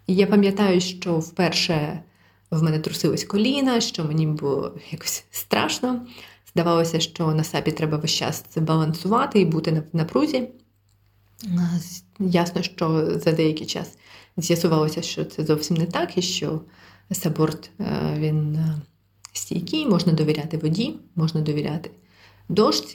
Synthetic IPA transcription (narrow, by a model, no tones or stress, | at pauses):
ijapɐmʲjɐt̪ɑjʊʃt͡ʃɔwpɛrʃɛ | wmɛnɛt̪ɾʊsɪlˠɐsʲkɔlʲinɐʃt͡ʃɔmenʲibʊlˠɔ̰jakɔ̥sʲst̪ɾɑ̰ʃnɔz̥d̪ɐʋɑlˠɔsʲɐʃt͡ʃɔnɐsɑbʲit̪ɾɛbɐʋɪʃt͡ʃa̰sbɐlˠɐnsʊʋɑt̪ɪibut̪ɪnɐnɐpɾuzʲi | jasnɔʃt͡ʃɔzɐd̪ɛjɐkʲɪt͡ʃɑ̰szʲjɐsʊʋɑlˠɔsʲɐʃt͡ʃɔt̪sɛzɔwsʲimnɛt̪ɑkiʃt͡ʃɔ | sɐbɔrt̪ʋʲin | sʲtʲḭjkʲijmɔʒnɐd̪ɔʋʲiɾʲat̪ɪʋɔdʲimɔʒnɐd̪ɔʋʲiɾʲa̰t̪ɪ̥ | d̪ɔʃt͡sʲ